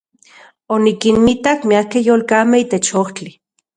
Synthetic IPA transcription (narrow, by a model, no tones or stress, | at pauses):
onikinmit̪akmiakejoːlkaːmeit̪et͡ʃoht͡ɬi